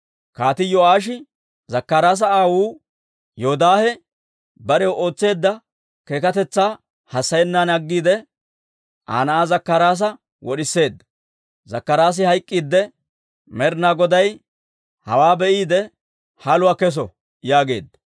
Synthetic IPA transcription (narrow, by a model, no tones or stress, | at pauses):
kaːt̪ɪjɔaːʃ̬ɪ | zɐkːɐɾaːs̬ɐaːwuː | joɔd̪aːhɛ | bɐɾɛwʔo̞ːt͡sːe̞ːd̪ːɐ | ke̞ːkɐt̪ɛt͡sːaː | hɐsːɐjɛnːaːnɐɡːiːd̪ɛ | ʔa̰ːnɐʔaːzɐkːɐɾaːs̬ɐ | wɔɗɪsːe̞ːd̪ːɐ̥ | zɐkːɐɾaːs̬ɪhɐjkʼːiːd̪ːɛ | mɛɾnaːɡɔd̪ɐj | hɐwaːbɛʔiːd̪ɛ | hɐlʊwaːkɛs̬ɔ | jaːɡe̞̰ːd̪ːɐ̥